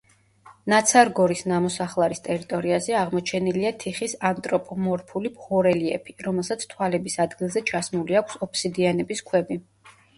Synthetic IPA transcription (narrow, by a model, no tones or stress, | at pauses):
nat̪sʰaɾɡɔɾisnamɔsaχlˠaɾist̪ʼɛɾit̪ʼɔɾiazɛaʁmɔt͡ʃʰɛniliat̪ʰiχisant̪ʼɾɔpʼɔmɔɾpʰulibʁɔɾɛliɛ̰pʰiɾɔmɛlˠsat̪sʰt̪ʰwalɛbisad̪ɡilˠzɛt͡ʃʰasmuliakʷʰsɔpʰsid̪ianɛbiskʰwɛbi